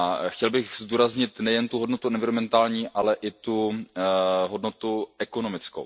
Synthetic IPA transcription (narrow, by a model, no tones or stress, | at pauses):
axcɛlbɪɣzd̪uːɾazɲɪt̪nɛjɛnt̪uɦo̞dnot̪uʔɛnvɪɾomɛnt̪aːlɲiːʔalɛʔɪt̪u | ɦo̞dnot̪uʔɛkono̞mɪt͡skow